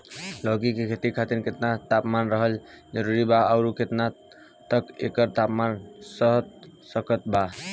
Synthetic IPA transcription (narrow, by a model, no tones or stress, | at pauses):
lɔɡikekʰet̪ikʰat̪iɾket̪nat̪apmanɾəɦəld͡ʒəɾuɾibaaʊɾuket̪na | t̪əkḛkəɾt̪apmansəɦt̪̚səkət̪ba